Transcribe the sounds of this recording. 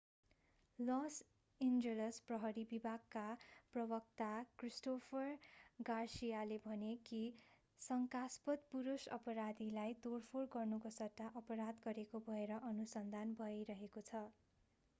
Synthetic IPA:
lʌs | ind͡zelʌsprʌɦʌɾibibʱaɡkːaprʌbʌk̚t̪akrisʈopʰʌrɡarsijalebʱʌneki | sʌŋkaspʌt̪̚puɾusʌ̰pʌɾad̪ilajt̪orpʰorɡʌrnukosʌʈ̪ːaʔʌpʌɾad̪ɡʌɾekobʱʌeɾʌʔʌnusʌnd̪ʱanbʱʌjɾʌɦekot͡sʰʌ

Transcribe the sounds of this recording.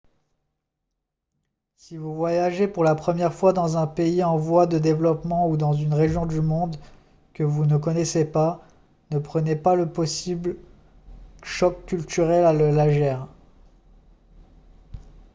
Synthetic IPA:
sivuvwajaʒepuʁlapχəmjɛʁfwad̪ɑ̃zɛ̃peiɑ̃vwad̪əd̪evlɔpmɑ̃ud̪ɑ̃zynʁeʒjɔ̃d̪ymɔ̃d̪ | kəvunək̬ɔnɛsepa | nəpχənepaləpɔsibl | ʃɔkːylt̪yʁɛlaləlaʒɛːʁ

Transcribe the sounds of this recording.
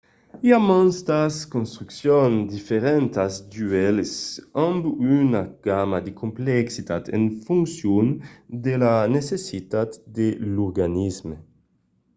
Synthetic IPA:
jamɔnst̪askɔnst̪ɾyksjond̪ifeɾɛnt̪asd̪yɛlsɑ̃mbynaɡ̥amad̪ekʰɔmpleksit̪ʰat̪ʰḛnfuŋksjuːnd̪elanesesit̪at̪d̪eluɾɡanismə

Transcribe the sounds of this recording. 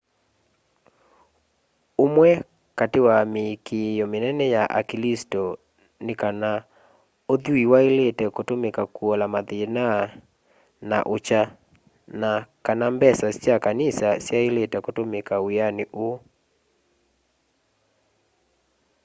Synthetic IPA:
omwɛ | katewamekejɔmenɛnɛjaʔa̰kilistɔ | nekana | oðuiwaeletɛkotomekakuɔlamaðena | na̰ʔot͡ʃa | nakanambɛsasjakanisasjaeletɛkotomekaweaneʔo

